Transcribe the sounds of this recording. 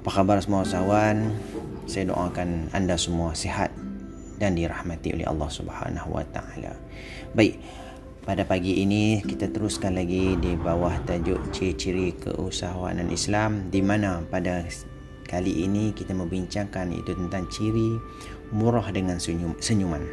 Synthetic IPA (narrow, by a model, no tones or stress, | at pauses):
pakabarsəmuausaɦawan | sajado̰ʔakana̰ndasəmuasiɦa̰t̪̚ | dandiɾahmat̪iʔo̰lɛ̰ɑ̰lːɑhsubha̰nahṵwa̰t̪a̰ʕala̰ | baiʔ | padapaɡiʔːnikit̪at̪əɾuskanlaɡidibawaht̪ad͡ʒʊʔt͡ʃiɾit͡ʃiɾikə̰ʔusaɦawa̰nanʔḭslamdimanapada | kaliʔːnikit̪amə̃biɲt͡ʃaŋkanḭt̪ut̪ənt̪aŋt͡ʃiɾi | muɾɔhdəŋansəɲuman